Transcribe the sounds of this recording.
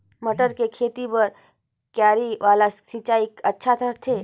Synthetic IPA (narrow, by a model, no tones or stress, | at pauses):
məʈəɾkekʰeːt̪ipɐɾ | kjaːɾiʋaːlasit͡ʃaːikɐtːʃʰat̪ʰəɾt̪ʰeː